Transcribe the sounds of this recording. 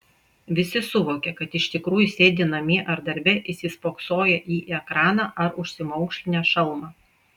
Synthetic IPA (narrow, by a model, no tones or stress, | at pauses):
ʋʲɪsʲɪsʊʋoːkʲɛkɐt̪ɪʃt̪ʲɪkɾuːjʊsʲeːd̪ʲɪnɐmʲɪʔɐɾd̪ɐɾʲbʲɛʔɪsʲispoːksoːjɛʔiːʔɛkɾɑːnɑʔɐɾʊʃʲsʲɪmɔʊkʃʲlʲɪnʲɛːʃɐlˠmɑː